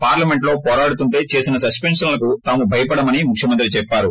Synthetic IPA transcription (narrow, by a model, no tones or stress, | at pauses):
paːɾlɐme̞ɳʈloːpɔːɾaːɽut̪uɳʈe̞ːt͡ʃe̞ːsinɐsɐspeɳʂɐnlɐkut̪aːmubʱɐjɐpɐɽɐmɐnimukʰjɐmɐnt̪ɾit͡ʃɛpːaːɾu